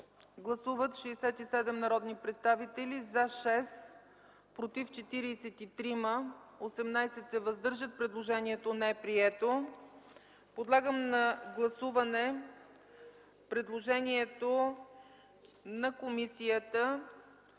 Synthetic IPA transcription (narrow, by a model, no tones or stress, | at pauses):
ɡlˠɐsuvət̪ʃɛɛsɛt̪isɛd̪ɛmnɐɾɔd̪nipɾɛt̪st̪avit̪ɛlizaʃɛs | pɾot̪ift͡ʃɛt̪iɾiːsɛt̪it̪ɾiməosɛmnajsɛt̪sɛvəzd̪ɤɾʒət̪̚pɾɛd̪lˠoʒɛniɛt̪onɛɛpɾiɛt̪o | pod̪lˠaɡəmnɐɡlˠɐsuvɐnɛ | pɾɛd̪lˠoʒɛniɛt̪o | nɐkomisijət̪ə